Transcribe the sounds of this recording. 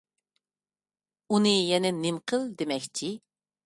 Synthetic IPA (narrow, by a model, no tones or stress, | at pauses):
unɨjɛnɛnɪmqʰəld̪emɛkʲt͡ʃʰi